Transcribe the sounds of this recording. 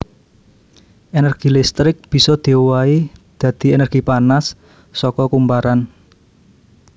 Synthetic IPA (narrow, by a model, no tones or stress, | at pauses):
ʔenərɡ̥ilɪst̪ɾɪk̚b̥i̤sɔd̪̥e̤waid̪̥ä̤d̪̥i̤enərɡ̥ipanasː | ɔkɔkumpaɾan